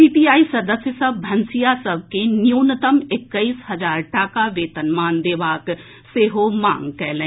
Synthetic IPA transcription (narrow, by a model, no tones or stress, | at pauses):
iːpijaːisɐd̪əsjəsɐbbʱɐ̃nsijasɐb̚ʱkenjuːnət̪əmɪkːəisɦɐd͡ʒaːɾʈaːkaʋeːt̪ənmaːnd̪eːʋaːk | seːɦoma̰ːŋɡkɛːlẽ